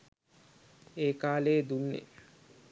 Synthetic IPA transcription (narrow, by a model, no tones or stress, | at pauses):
eːkaːleːd̪unːḛ